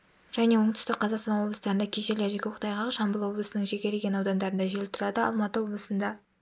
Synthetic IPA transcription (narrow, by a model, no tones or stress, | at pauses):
ʒ̥æne̞wo̞ɴt̪ʏ̥st̪ɪkqqʰɑzɑqsɑnwo̞blˠəst̪ɑɾənd̪ɑkʲʰeʃeɾleɾʒe̞kʲeqʰt̪ɑjʁɑʁəʃɑmbəlˠwo̞blˠəsənəŋʒeɡʲeɾleɡʲe̞nɑwd̪ɑnd̪ɑɾənd̪ɑʒelɪt̪ʰɾɑd̪əɑ̰lˠmɑt̪əwo̞blˠəsənd̪ɑ